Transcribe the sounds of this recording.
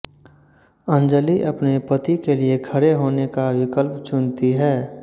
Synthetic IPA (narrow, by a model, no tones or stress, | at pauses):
ə̃nd͡ʒəliʔɐpnepət̪ikeliekʰəɾeɦoːnekawɪkəlpt͡ʃʊnt̪iɦɛː